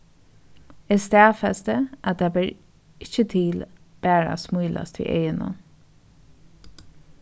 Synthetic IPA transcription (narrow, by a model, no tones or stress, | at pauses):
ɛst̪æːfɛst̪əʔat̪ʰaːbɛːɹ | ɪt͡ʃət̪ʰiːlb̥æːɹa̰smujlʔa̰st̪ḭːʔejənə̰